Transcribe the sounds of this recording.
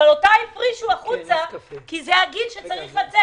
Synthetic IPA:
alotaifʁiʃuaχut͡sakizehaɡid̪ʃet͡saʁiχlat͡se

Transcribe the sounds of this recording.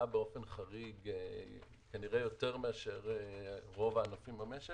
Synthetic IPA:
abeo̞fe̞nχaʁiɡ | kaniʁejo̞te̞ʁme̞aʃe̞ʁeʁo̞vaːnafimameʃe

